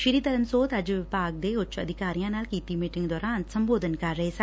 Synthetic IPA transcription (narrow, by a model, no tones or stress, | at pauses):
ʃiɾiːd̪ɐlɐmsoːt̪ɐd͡ʒʋɪbʱaːɡ̚d̪eːʊt͡ʃːɐd̪ʱikaːɾijãːnaːlkiːt̪imiːʈiŋɡd̪oːɾaːnsɐmboːd̪ʱɐnkaːɾɐɦesa